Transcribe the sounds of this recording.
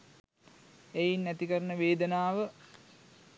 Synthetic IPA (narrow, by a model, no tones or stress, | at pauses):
ejinːæt̪ikəɾənəʋeːd̪ənaːʋə